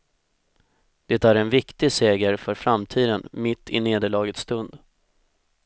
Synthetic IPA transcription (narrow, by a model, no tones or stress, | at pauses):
d̪̥ɛt̪æɾɛnvɪkt̪ɪseːɡəɾfœɾfɾamt̪ʰiːd̪ənmɪt̪ʰːɪ̰neːd̪əɭɑːɡət̪st̪ɵnd̪